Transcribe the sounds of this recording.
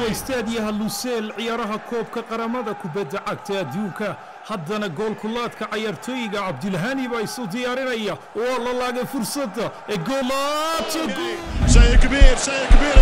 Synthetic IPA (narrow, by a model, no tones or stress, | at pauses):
ɛst̪ʰaːd̪ɪjɐɦɐlʊsɛːlʕɪjaːɾɐɦɐkʰɔːb̚kʰɐqɑɾɐmɐðɐkʰʊbɐd̪ːɐʕɑɡ̚t̪ʰɐɐd̪uːŋkʰɐ | hɐd̪ɐnɐɡɔːlkʰʊlːaːd̪kʰɐʕɑjaːrt̪ʰɔːjɪɣɐʕɑb̚d̪ɪlɦɐnɪβaːɪsʊd̪ɪjaːɾɪnɐjɐ | ɔːlɐlaːɣɛfʊrsɐd̪ɐ | ɛɡɔːlat̪ʰɐɡʊʃɐkbiɾʃɐjkbi